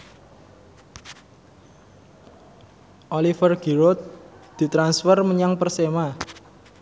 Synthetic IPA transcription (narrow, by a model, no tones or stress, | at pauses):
ʔolifərɡ̥i̤ɾot̪̚d̪̥i̤t̪ɾansfərməɲaŋpərsema